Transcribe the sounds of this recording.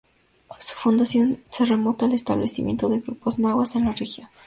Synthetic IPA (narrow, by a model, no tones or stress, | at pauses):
su̥fund̪asjo̞nse̞re̞mo̞t̪aːle̞st̪aβle̞simʲje̞nt̪oðe̞ɣɾṵpo̞znawase̞nlarexjo